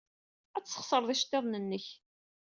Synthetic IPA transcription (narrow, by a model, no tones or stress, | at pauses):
æt͡sːə̥χsˤəɾˤðˤiʃt̪ːeðˤnənːəç